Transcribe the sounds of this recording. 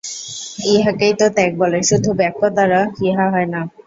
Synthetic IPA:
iɦakejt̪ot̪ɛk̚bɔleʃud̪ʱubɛkːod̪aɾaiɦaɦɔena

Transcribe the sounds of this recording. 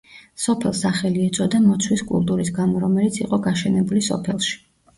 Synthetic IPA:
sɔpʰɛlˠsaχɛliɛt̪sʼɔd̪amɔt̪sʰwiskʼṵlˠt̪ʼuɾis̬ɡamɔɾɔmɛlit̪sʰiqʼɔɡaʃɛnɛbulisɔ̰pʰɛlˠʃi̥

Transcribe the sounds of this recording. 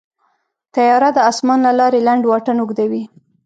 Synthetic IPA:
t̪ajɑɾad̪əɑsmɑnlalɑɾelaɳɖwɑʈanʊɡd̪awi

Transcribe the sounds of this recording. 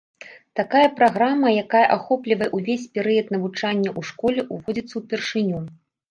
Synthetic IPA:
t̪akajɐpɾaɣɾamɐjakajɐʔaxɔplʲivɐjɛʔuvʲesʲpʲɛɾɨjɐt̪nɐvut͡ʂanʲːɐʔuʂkɔlʲɛʔuvɔd͡zʲit̪sːɐwpʲɛrʂɨnʲu

